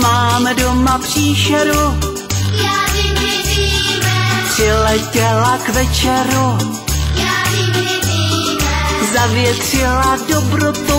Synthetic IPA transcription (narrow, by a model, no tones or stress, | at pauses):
maːmɛdomapr̥iːʃɛɾu | pr̥ɪlɛcɛlakvɛt͡ʃɛɾu | zavjɛt̪r̝̥ɪladobɾot̪u